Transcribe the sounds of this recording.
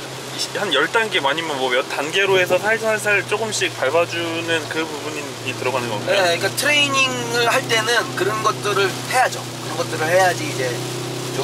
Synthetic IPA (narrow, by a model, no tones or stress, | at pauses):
hanjʌɭt͈anɡemaɲimʌnmwʌjʌtanɡe̞ɾoe̞sʰʌsʰaisʰasʰaɾɯɭt͡ɕ͈oɡɯmɕ͈ik̚paɭbad͡ʑunɯnkɯbubuɲ | ɲitɯɾʌɡanɯnɡʌeɲik͈atʰɯɾe̞iɲiŋɯɭhaɭt͈e̞nɯnkɯɾʌnɡʌt̚t͈ɯɾɯɭhe̞jad͡ʑokɯɾʌnɡʌt͈ɯɾɯɭhe̞jad͡ʑiːd͡ʑe̞ | t͡ɕo